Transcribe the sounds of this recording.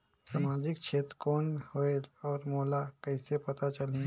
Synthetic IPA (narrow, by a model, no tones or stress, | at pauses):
samaːd͡ʒɪkt͡ʃʰeːt̪ɾəkɔːnhoelɔːɾmolakɐɪsepɐt̪at͡ʃəlẽ